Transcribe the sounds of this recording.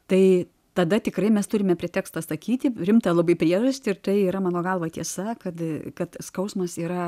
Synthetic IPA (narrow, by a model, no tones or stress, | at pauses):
t̪ɐɪ | t̪ɐd̪ɐt̪ʲɪkrɐɪmʲɛst̪ʊɾʲɪmʲɛpʲɾʲiɛt̪ʲæːkst̪ɐsɐkʲiːt̪ʲɪɾʲɪmt̪ɐlˠɐbɐɪpʲɾʲiɛʒɐsʲt̪ʲɪɪrt̪ɐɪiːɾɐmɑːnoːɡɐlˠʋɐt̪ʲiɛsɐkɐt̪kɐt̪skɐʊsmɐsiːɾɐ